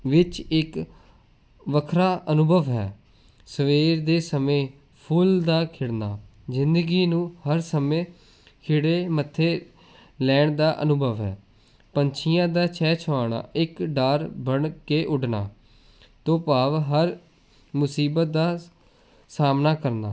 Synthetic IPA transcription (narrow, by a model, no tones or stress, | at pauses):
ʋɪt͡ʃɪk | ʋəkʰɾaːʔənʊbʱəʋɦɛ̰ː | səʋeːɾd̪eːsəmẽː | pʰuːld̪aːkʰɪɽnaː | zɪnd̪əɡiːnũːhəɾsəmẽː | kʰɪɽeːmət̪ʰːeː | lɛːɳd̪aːʔə̰nʊbʱəʋɦɛ̰ː | pəɲt͡ʃʰɪjãːd̪aːt͡ʃʰɛːt͡ʃʰəʋaːɳa̰ːʔɪkɖaːɾbəɳkeːʔʊɖna̰ː | t̪õːpaːʋɦəɾ | mʊsiːbət̪̚d̪aː | saːmnaːkəɾna̰ː